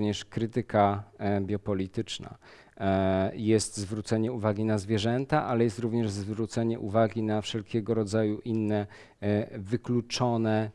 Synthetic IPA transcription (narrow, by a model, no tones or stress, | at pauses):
ɲɛʂkɾɘt̪ɘkabʲjɔpɔlʲit̪ɘt͡ʂna̰ | jɛst̪zvɾut̪sɛɲɛuvaɡʲinazvʲjɛʐɛnt̪aʔalɛjɛst̪ɾuvɲɛʐzvɾut̪sɛɲɛʔuvaɡʲinafʂɛlkʲɛɡɔɾɔd̪zajuʔinːɛ | vɘklut͡ʂɔnɛ